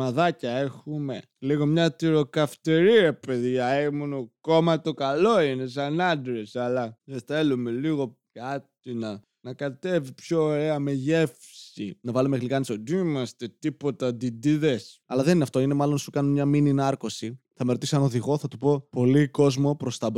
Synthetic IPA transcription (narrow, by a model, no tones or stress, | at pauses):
ɐðɐcɐe̞xume̞ | liɣo̞mɲɐt̪iɾo̞kɐft̪eɾiɐpe̞ðʝɐemunoko̞mɐt̪okɐlo̞ine̞s̬ɐnɐnd̪ɾesɐlɐðeθe̞lume̞liɣo̞ | kɐt̪inɐ | nɐkɐt̪e̞vipçoːɾeɐme̞ʝe̞fsḭnɐvɐlumeɣlikɐnisod̪imɐst̪e̞t̪ipo̞t̪ɐd̪id̪iðe̞sɐlɐðe̞ninɐft̪oine̞mɐlo̞nsukɐnomɲɐmininɐɾko̞siθɐmeɾot̪isɐno̞ðiɣo̞θɐt̪upo̞po̞liko̞zmo̞pɾo̞st̪ɐb